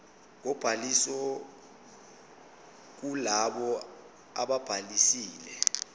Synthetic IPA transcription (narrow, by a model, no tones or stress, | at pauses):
k̬ɔb̥ʱalisɔ | k̬ulaɓɔ | a̰ɓab̥ʱalisiːlɛ